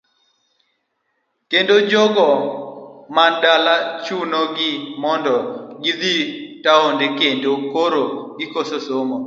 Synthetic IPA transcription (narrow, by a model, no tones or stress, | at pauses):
kendod͡ʒɔɡɔ | mandalat͡ʃunoɡɪmɔndɔɡid̪itaondekendokoɾoɡɪkososomɔ